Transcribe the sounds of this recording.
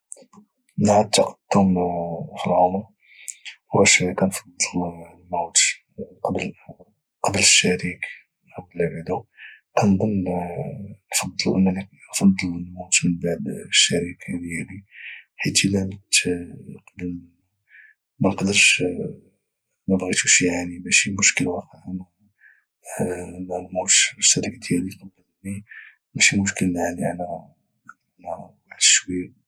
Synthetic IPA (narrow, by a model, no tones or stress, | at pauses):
nʕat̪ːɑq̚t̪ːumfilʕʊmɾ | hwæʃkænfɑd̪ˤːəllmowt̪ | qɑbl | qɑbləʃːæɾik | qæblbad̪ukænd̪ˤən | nfɑd̪ˤːəlʔənːæninfɑd̪ˤːələlmowt̪mənbaʕd̪ʃːæɾikd̪jæliħit̪əlænət̪qd̪ə | mænəqd̪əɾʃ | mæbɣit̪uʃiʕaʕnimæʃimʊʃkəlwɑqəʕn | nælmuʃʃːæɾikad̪jæliqɑd̪əlni | mæʃimʊʃkəlnʕaʕninæ | næbaʕd̪əʃwi